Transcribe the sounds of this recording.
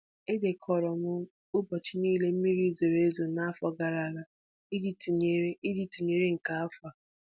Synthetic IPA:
e˦de˨kʰɔ˨ɾɔ˨ŋʷʊ˦ | ʊ˦bɔ˨t͡ʃi˦niː˦le˦m̩˦mi˦ɾi˦zo˨ɾe˦e˦zo˨na˦a˦fɔ˨ɡa˨ɾa˨ɾa˨ | i˦dte˦i˦di˨tu˨ɲe˦ɾe˦ŋ̩˨ka˨a˦fa˨

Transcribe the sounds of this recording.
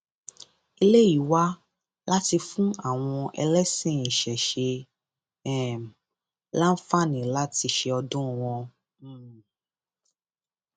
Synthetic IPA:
i˧le˦i˨wa˦ | la˦ti˧fũ˦a˦˨w̃ɔ̃˧ɛ̰˧lɛ˦sĩ˦˨ĩ˨ʃɛ˨ʃe˧ | ɛ˦˨m˨ | la˦n̩˦fa˦˨nĩ˨la˦ti˧ʃe˧ɔ˧dũ˦˨w̃ɔ̃˧˦˨

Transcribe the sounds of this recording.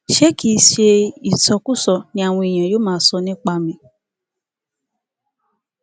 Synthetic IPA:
ʃe˦ki˦˧ʃe˧i˨tɔ˧ku˦sɔ˨nĩ˧˦a˦˨w̃ɔ̃˧i˨j̃ã˨joː˦mãː˦sɔ˧nĩ˦k͡pa˧mĩ˧˦

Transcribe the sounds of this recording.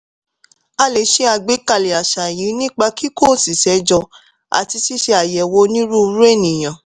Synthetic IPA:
a˧le˨˦ʃe˦a˧ɡ͡be˨˦ka˧˨le˨a˨ʃa˨ji˨˦nĩ˦k͡pa˧ki˦ko˦˨si˨sɛ˨˦d͡ʒɔ˧ | a̰˨ti˧si˦ʃe˧a˨jɛ˨wo˧nĩ˦ɾũ˦˧˦ɾe˦˨nĩ˨j̃ã˨

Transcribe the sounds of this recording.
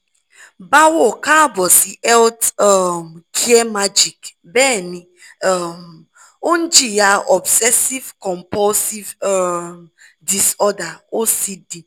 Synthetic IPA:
ba˦wɔ˨ka˦bɔ˨si˨ʔɛ˦ltɔ˨m˨kʰi˦e˦ma˦d͡ʒi˨k | bɛː˦˨nĩ˨ | m | o˦n̩˦d͡ʒi˦ja˦ɔ˨bsɛ˦si˦vkɔ˨mpɔ˦lsi˦vm | di˨sɔ˦da˨o˦si˦di˨

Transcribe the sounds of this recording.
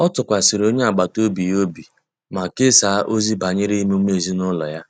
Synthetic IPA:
ɔ˦tʊ˨kʷa˨sɪ˨ɾo˦ɲe˦a˨ɡ͡ba˨to˦bi˨jo˦bi˨ | ma˨ke˦saː˨˦ʔo˦zi˦ba˨ɲɪ˦ɾi˦i˦m˦u˦m˦e˨zi˦nʊ˦lɔ̰˨ja˦

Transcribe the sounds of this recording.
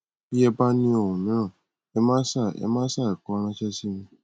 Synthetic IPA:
i˦ɛ˦ba˦nĩ˧o˨wũ˨mĩ˨˦ã˦˨ | ɛ˦mãː˦sa˦˨ɛ̰˦mã˦sa˦˨ɛ˨kɔ˧˦ɾ̃ã˦t͡ʃɛ˦si˦mĩ˦

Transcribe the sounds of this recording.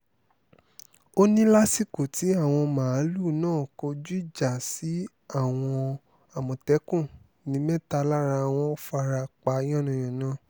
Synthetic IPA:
o˦nĩ˦la˦si˦˨ko˨ti˨˦a˦˨w̃ɔ̃˧mãː˨˦lu˦˨nãː˦˨ko˧d͡ʒu˦i˦˨d͡ʒa˨si˨˦ | a˦˨w̃ɔ̃˧ | a˨mɔ̃˨tɛ˨˦kũ˦˨ | nĩ˨˦mɛ˦˨ta˧la˦ɾa˧˨w̃ɔ̃˧˦fa˧ɾa˧k͡pa˧˦j̃ɔ̃˦˨nɔ̃˨j̃ɔ̃˨nãː˦˨

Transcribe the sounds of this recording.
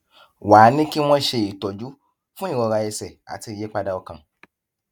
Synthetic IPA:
waː˨˦nĩ˦ki˦w̃ɔ̃˦ʃe˧i˨tɔ˨d͡ʒu˦ | fũ˦i˦˨wɔ˨˧ɾa˧je˧sɛ˨a̰˨ti˧je˨˦k͡pa˧da˧ɔ˧kã˧

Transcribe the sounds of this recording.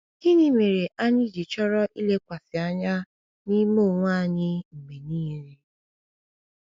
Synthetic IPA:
i˦ni˦me˨ɾe˨ʔa˦ɲi˦˨d͡ʒi˨t͡ʃɔ˦ɾɔ˦ʔi˦le˦kʷa˨fi˨a˦ɲa˦ | ni˦mo˦˨ŋʷ˦a˦ɲɪ˦m̩˨me˨niː˦˨˦ɾe˨

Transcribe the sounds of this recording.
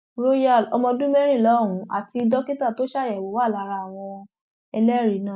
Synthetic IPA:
ɾo˦ja˦˨lɔ˧mɔ̃˧dũ˦mɛ˦ɾ̃ĩ˦˨lɔ˨˦ɾũ˨˦a̰˨ti˧dɔ˦ki˦ta˦˨to˨˦ʃa˦˨jɛ˨wo˨˦wa˦˨la˨˦ɾa˧a˨w̃ɔ̃˧ | ɛ˧lɛ˦ɾi˨˦nã˦˨

